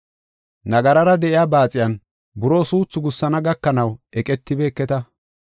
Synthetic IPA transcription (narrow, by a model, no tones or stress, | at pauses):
nɐɡɐɾɐɾɐd̪ɛʔɪjaːbaːt͡sʼɪjɐn | bʊɾo̞ːsuːt͡sːʊɡʊsːɐnɐɡɐkːɐnɐwɛkʼɛt̪ːɪbeːkːɛt̪ɐ